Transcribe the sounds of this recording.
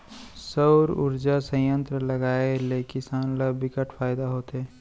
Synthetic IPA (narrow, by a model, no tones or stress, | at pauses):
səwɾʊ̰ɾd͡ʒasə̃jə̃nt̪ɾəlɐɡaːelekɪsaːnləbʱɪkəʈpʰaːjd̪aɦoːt̪eɦɛ̃ː